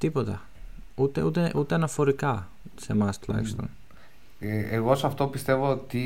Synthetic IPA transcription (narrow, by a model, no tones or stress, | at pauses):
t̪ipo̞t̪ɐ | ut̪ḛut̪eʔut̪eɐnɐfo̞ɾikɐ | semɐst̪lɐ̰jfst̪o̰n | eeɣo̞sɐft̪o̞pist̪e̞vot̪i